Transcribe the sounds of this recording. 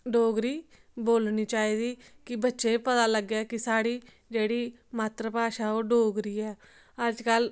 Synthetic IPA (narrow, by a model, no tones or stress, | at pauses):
ɖoːɡɾiː | boːlniːt͡ʃaːiːd̪iː | kɪbətːʃẽːpət̪aːləɡaːkɪsaːɽiː | d͡ʒeːɽiː | maːt̪ɾəpaːʃãːoːɖoːɡɾiːɛː | əd͡ʒkəl